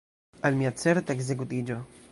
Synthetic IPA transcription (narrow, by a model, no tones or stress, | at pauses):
almiat͡seɾt̪aeɡz̬ek̬ut̪id͡ʒo